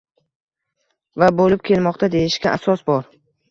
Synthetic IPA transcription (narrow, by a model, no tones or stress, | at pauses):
vabolɪp̚kʲʰe̞lmɒqt̪ʰad̪e̞jɪʃkʲaʔasɒsbɒɾ